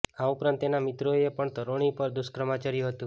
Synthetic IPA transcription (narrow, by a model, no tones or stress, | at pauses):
aupɾant̪enamɪt̪ɾoepəɳt̪əɾoɽ̃ipəɾd̪ʊskɾəmat͡ʃaɾijũɦət̪ũ